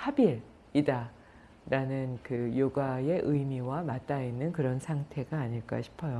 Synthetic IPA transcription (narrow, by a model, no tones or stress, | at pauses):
habiɾ | ida | ɾanɯnkɯjoɡae̞ʔɯjmiwamat͈̚ainːɯnkɯɾʌnsʰaŋtʰe̞ɡaːɲiɭk͈a̰ɕʰi̥pʰʌjo